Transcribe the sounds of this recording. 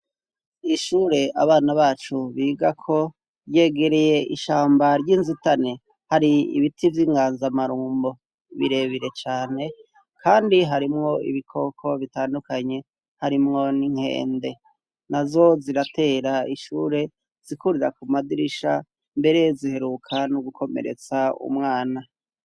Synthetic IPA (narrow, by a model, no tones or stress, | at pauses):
iʃuːɾe̞a̰βaːnaβaːt͡ʃuβiːɡakʰo̞ | ɾje̞ːɡe̞ɾeje̞ʔiʃaːmbaɾɟinzitane | haɾiḭβitʰivjiːŋɡaːnzamaɾuːmbo̞ | βḭɾe̞βiɾe̞t͡ʃaːne̞ | kʰaːndiɦaɾimŋo̞ḭβikʰo̞kʰo̞βitaːndukaɲe̞ | haɾimŋo̞niŋ̥he̞̰ːnde̞ | nazo̞ziɾatʰe̞ːɾaiʃuːɾe̞ | z̥ikuɾiɾa̰kumadiɾiʃa | mbe̞ɾejezihe̞ɾukʰanuɡukʰo̞mḛɾe̞̰t͡saṵmŋaːna